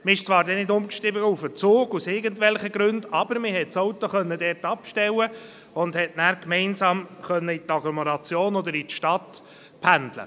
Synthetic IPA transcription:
mɪɪʃt͡sʋɑːɾdɛnɪdʊmkʃɪbəufət͡soːɡ̥usɪɾɡəntʋɛlχəɡɾɵndɑbəɾmɪɦɛtsowt̪oχœnːədɛɾtɑpʃtɛwə | ʊnd̥̪hɛtnæːɾkmɛɪnsɑːmχœnːəit̪ɑɡlɔmoɾɑt͡sjoːnɔd̪əɾitʃtɑt | pʰænd̪lə̰

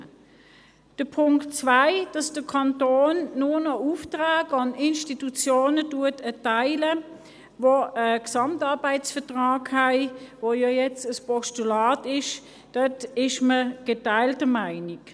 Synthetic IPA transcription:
d̥əpʰʊŋkt͡svaɪd̥ɑsd̥əkʰɑntoːnːʊnɔuftʁaːɡɑnɪnʃtitut͡sjoːnətuətʰətaɪlə | voəksɑmtɑɐbaɪtsfəɐtʁɑːkhæɪvojɑjɛt͡səspɔʃtulaːtɪʃ | d̥œtɪʃməɡ̥etaɪltəmaɪnik

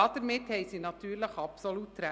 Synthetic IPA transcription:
ɑd̪̥əɾmɪt̪hɛɪsinɑt̪ʰyːɾləχɑpsolut̪ːɾæ

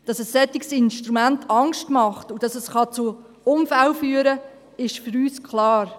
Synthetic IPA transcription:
d̥ɑsɛsːɛt̪iksɪnʃtɾumæntʰɑŋʃtmɑχtud̥ɑsɛsχɑt͡su | ʊmfælfyːəɾə | ɪʃfyɾyːskχlɑːɾ

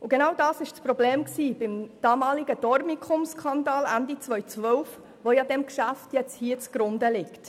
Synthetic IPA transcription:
ʊɡenawdɑːsɪʃt͡spɾɔbleːmksiːbɪmd̥ɑːmɑːlɪɡəd̥ɔɾmikʰʊmskʰɑndɑːlændit͡sʋœʏt͡sʋœʊf | ʋojɑdɛmkʃæftjɛt͡shiːət͡sɡ̥ɾʊndəlɪkt

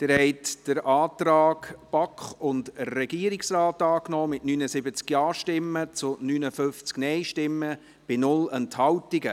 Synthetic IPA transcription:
d̪̥ɛɾhɛɪtd̥əɾʔɑːtɾɑːkb̥ɑkχʊndrɛɡiːəɾɪksɾaːtɑːknɔːmɪtnyːnəsɪbət͡skjɑːʃtɪmːət͡sʊnyːnəfʏft͡sknɛɪʃtɪmːə | b̥ɪnʊlɛnthɑwtɪɡə

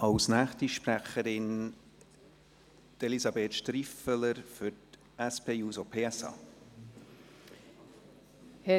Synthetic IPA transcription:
ɑwsnæːχtiʃpɾæχəɾɪn | d̥elisɑbeːtʃtɾifələɾfʏɾt | æspeːjuːsopʰeːɛsɑ̰ː | h

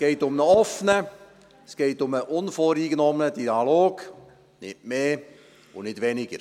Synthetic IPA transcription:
sɡ̥eɪtʊmnəɔfnə | sɡ̥eɪtʊməʔʊnfoːɾiːɡnɔmnədiɑloːɡ | nɪmeː | ʊnɪtʋɛnɪɡ̥əɾ

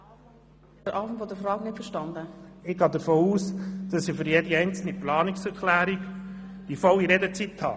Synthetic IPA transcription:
dəɾʔɑːfəntfɔdəfɾɑːknɪtfəʃtɑnd̪əɪɡ̥ɑːd̪əfoːuːsd̥ɑsɪfʏɾjɛdiɛɪnt͡sl̩niplɑːnɪksɛɾkʰlæːɾiɡ | d̥ifɔwiɾɛdət͡sit̪hɑ̰ː

